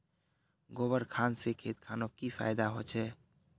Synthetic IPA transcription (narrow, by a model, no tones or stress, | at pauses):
ɡobəɾkʰansekʰet̪̚kʰanokipʰa̰jd̪aɦot͡ʃʰɛ